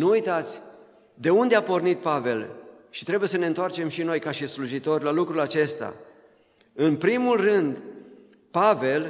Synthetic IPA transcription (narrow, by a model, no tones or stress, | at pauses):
nuujt̪at̪sʲ | d̪e̞und̪eapo̞rnit̪̚pave̞l | ʃi̥t̪ɾe̞buje̞s̬əne̞ɨnt̪oart͡ʃe̞mʃino̞jkaʃisluʒit̪o̞rʲlalukɾulat͡ʃe̞st̪a̰ | ɨnpɾimulrɨnd̪ | pave̞l